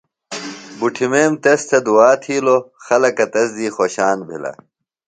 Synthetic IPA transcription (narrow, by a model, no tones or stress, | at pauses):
buʈʰimeːmt̪ɐst̪ʰɐd̪uaːt̪ʰiːloxɐlɐkɐt̪ɐsd̪iːxoːɕaːnbʱḭlɐ̰